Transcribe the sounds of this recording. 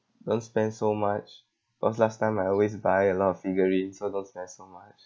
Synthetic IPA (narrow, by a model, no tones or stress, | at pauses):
d̥õnspɛ̃ndsomat͡ʃ | bi̥kɔslastãɪ̃maɪjɔlwes̬baɪəlɔtɔffiɡəɹĩnsodõnspɛ̃nsomat͡ʃ